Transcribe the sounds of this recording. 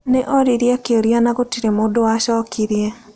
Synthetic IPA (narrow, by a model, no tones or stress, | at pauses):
neʔɔɾiɾjakeoɾianaɣotiɾemoːdowaʃɔːkʰiɾjɛ